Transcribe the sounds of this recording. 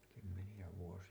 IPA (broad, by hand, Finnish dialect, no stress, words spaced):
kymːenijæ ʋuosiɑ